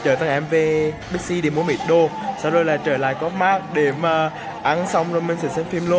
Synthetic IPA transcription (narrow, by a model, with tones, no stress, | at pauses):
t͡ɕəː˧˩t̪a˧ŋʔɛ˧mve˨˩ | ɓi˦˥k̚si˧ɗe˨˩mu˨˦ə˦mɓḭ˨˩t̚ɗo˧˩ | saː˧wzo˨˩jlaː˨˩t͡ɕəː˧˩la̰ː˧˨jkɔ˦˥t̚maː˦˥k̚ɗe˧˩maː˨˩ | ʔa˧nsa˧wŋ͡mzo˨˩jme˧˩nsɨ˨˧˩sɛ˧nfi˧mlu˧ə